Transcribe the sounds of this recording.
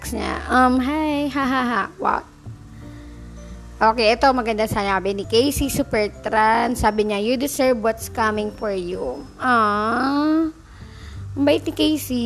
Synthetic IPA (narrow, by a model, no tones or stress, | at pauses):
ksɲa̰ʔɐmɦajɦaɦaɦawa̰t̪̚ | ʔoːkɛjʔɛt̪omɐɡɐnd̪asanakɐbɛnikejsisupɛɹt̪ɾansaːbɪɲajud̪ɪsɛɹvwɔt̪skɐmɪŋfɔɹjuʔɐ | mbaːʔɪt̪nɪkejsi